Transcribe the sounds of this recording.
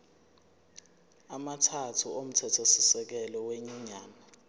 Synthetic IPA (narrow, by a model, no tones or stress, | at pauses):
amatʰatʰuom̩tʰɛtʰosisɛk̬ɛlɔweɲiɲaːna